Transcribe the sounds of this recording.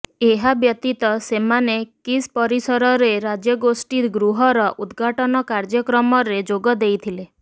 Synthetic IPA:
eɦabjɔt̪it̪ɔsemanekispɔɾisɔɾɔɾeɾad͡ʒjɔɡosʈiɾɡɾuɦɔɾɔʔud̪ɡʱaʈɔnɔkaɾd͡ʒjɔkɾɔmɔɾed͡ʒoɡɔd̪ejt̪ʰile

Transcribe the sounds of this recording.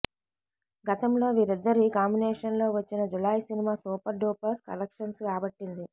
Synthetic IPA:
ɡɐt̪ɐmlo̞ːʋiːɾid̪ːɐɾikaːmbineːʂɐnlo̞ːʋɐt͡ʃːinɐd͡ʒulaːjsinimaːsuːpɐɾɖoːpɐɾkɐ̰lɐkʂɐnsɡaːbɐʈːind̪i

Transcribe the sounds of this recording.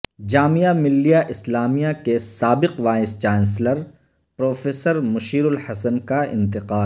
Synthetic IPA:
d͡ʒaːmijamɪlːijaʔɪslaːmijakesaːbɪqʋaːɪst͡ʃaːnsləɾ | pɾoːfʰeːsəɾmʊʃiːɾʊlhɐsənkaɪ̰̃nt̪ɪqaːl

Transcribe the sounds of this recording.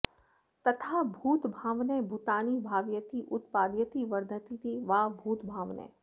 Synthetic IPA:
t̪ɐt̪ʰabʱuːt̪bʱaːʋnebʱut̪aːnibʱaːʋjət̪iʔʊt̪paːd̪jət̪iʋəɾd̪ʱət̪it̪iʋaːbʱuːt̪bʱaːʋnɛ̰ː

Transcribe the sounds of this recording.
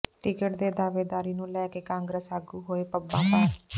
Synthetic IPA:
ʈɪkəʈd̪eːd̪aːʋeːd̪aːɾiːnũːlɛːkeːkãːŋɡɾəsaːɡuːɦoːeːpəbːãːpaː

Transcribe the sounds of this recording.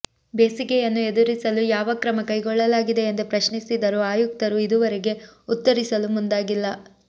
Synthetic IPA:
beːsikɛjɐnːue̞d̪uɾisɐlujaːʋɐkɾɐmɐkɐjɡɔɭːɐlaːɡid̪e̞ːnd̪upɾɐʃnisid̪ɐɾuaːjuk̚t̪ɐɾuid̪uʋɐɾeɡe̞ut̪ːɐɾisɐlumund̪aːɡilːɐ

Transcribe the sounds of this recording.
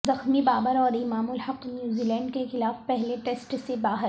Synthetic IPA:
zɐxmibaːbəɾɔːɾɪmaːmʊlhɐqnjuːziːlɛ̃ːɳɖkexɪlaːfpɛɦleʈeːsʈsebaːɦə

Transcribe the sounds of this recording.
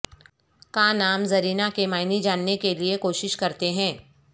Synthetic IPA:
kãːnaːmzɐɾiːnakemaːɪnid͡ʒaːnːekeliekoːʃɪʃkɐɾt̪eɦɛ̃ː

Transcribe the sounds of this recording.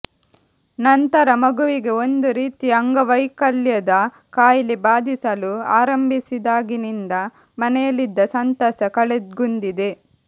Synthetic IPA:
nɐnt̪ɐɾɐmɐɡuʋiɡe̞o̞nd̪uɾiːt̪iɐŋɡɐʋɐjkɐljɐd̪ɐ | kaːjɐlibaːd̪ʱisɐluaːɾɐmbʱisid̪aːɡinind̪ɐ | mɐnɛjɐlid̪ːɐsɐnt̪ɐsɐkɐɭed̪ɡund̪id̪e̞

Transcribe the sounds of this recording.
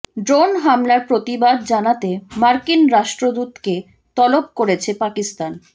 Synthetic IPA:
ɖɾonɦamlaɾpɾot̪ibad̪̚d͡ʑanat̪emaɾkinɾaʃʈɾod̪ut̪ke | t̪ɔlop̚koɾet͡ɕʰepakist̪an

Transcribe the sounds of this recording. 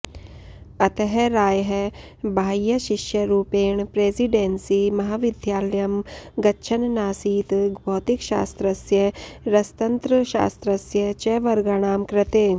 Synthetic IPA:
ɐt̪əɦɛɾaːjɦɛ | bʱaːjjəʃɪʃjəɾuːpeːɳpɾeːziɖẽːnsimɐɦaːʋɪd̪ʱjaːləjɐmɡɐtːʃʰənnaːsiːt̪ɡbʱɔːt̪ɪkʃa̰ːst̪ɾəsjəɾɐst̪ɐ̃nt̪ɾəʃa̰ːst̪ɾəsjət͡ʃɛːʋɐɾɡaɽ̃aːmkɾɪt̪eː

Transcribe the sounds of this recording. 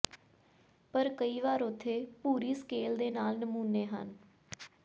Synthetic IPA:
pəɾkəiːʋaːɾʊt̪ʰːeːpuːɾiːskeːld̪eːnaːlnəmuːneːɦə̰n

